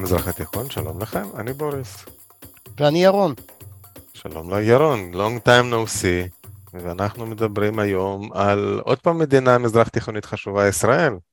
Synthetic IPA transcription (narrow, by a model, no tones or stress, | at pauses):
mizʁaχat̪iχo̞nʃalo̞̰mlaχe̞maniboʁis | veanijaʁon | ʃa̰lo̞̰mlajaʁonlo̞ŋɡt̪ajmnousiveanaχnume̞d̪abʁimajo̞malod̪̚paːmːed̪inamizʁaχt̪iχo̞nit̪χaʃuvaisʁae̞l